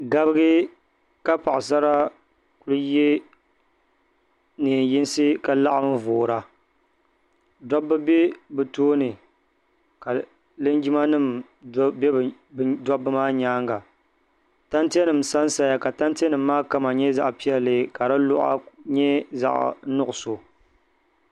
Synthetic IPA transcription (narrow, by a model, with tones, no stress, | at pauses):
ɡa˦bɨ˦ɡɨ˦ | ka˦pa˨ʔsa˦ɾa˦ | ku˦lɨ˦je˦ | nɨ˨n˨ji˦n˦sɨ˦ka˨la˦ʔa˦m˦voː˨ɾa˨ | dɔ˦bːɨ˦bɛ˦bɨ˨toː˦nɨ˨ | ka˨ | lɨ˦nd͡ʒi˦ma˦nɨ˦˨m˦ | bɛ˦b | dɔ˦bːɨ˦maː˦ɲaː˦ŋɡa˨ | ta˦nti˦ɛ˦nɨ˨m˨sa˦n˦sa˨ja˨ka˨ta˦n˦ti˦ɛ˦nɨ˨mː˦aː˦ka˦ma˨ɲɛ˦za˦ʔpi˦ɛ˦lɨ˦ka˨da˦lʊ˦ʔa̰˦ɲɛ˦za̰˦˨ʔnʊ˦ʔʊ˨so˨